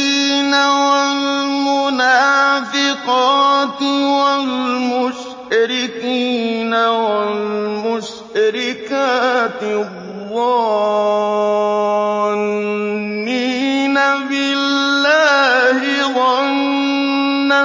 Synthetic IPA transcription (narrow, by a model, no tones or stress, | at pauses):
inawalmʊnafɪqɑːtɪwalmʊʃ | aɾikinawalmʊʃ | ɾikaːt̪ɪ | wɔ | n | minabɪlːaːɦɪwa | nː | a